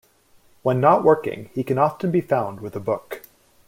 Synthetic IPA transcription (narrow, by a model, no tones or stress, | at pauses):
wə̃nːəʔ̚wʔɜ˞kɪ̰̃ŋikɨ̃nɑftɨ̃nbifãʊ̃nd̚wɨðəbʊk